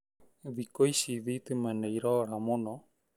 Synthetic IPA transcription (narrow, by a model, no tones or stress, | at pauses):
ðikoisiðit̪imɛneiɾoɾamono